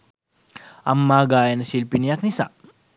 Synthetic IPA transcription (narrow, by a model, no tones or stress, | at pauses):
ʔɐmːaːɡaːjɐnɐsilpiniɐk̚nisa̰